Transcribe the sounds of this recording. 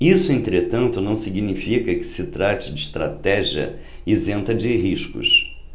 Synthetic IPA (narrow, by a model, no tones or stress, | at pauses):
isʊẽnt̪ɾet̪ɐ̃nt̪ʊnɐ̃w̃siɡinifikɐkɪ̥sɪt̪ɾat͡ʃɪd͡ʒɪːʃt̪ɾa̰t̪ɛʒiɐ̰ | ɪzẽnt̪ɐd͡ʒɪɦiʃkʊ̰s